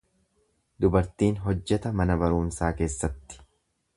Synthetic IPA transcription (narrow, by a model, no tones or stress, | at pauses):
d̪ʊbɐɾt̪iːnɦɔd͡ʒːɛt̪ɐmɐnɐbɐɾuːnsaːke̞ːsːɐt̪ːɪ̥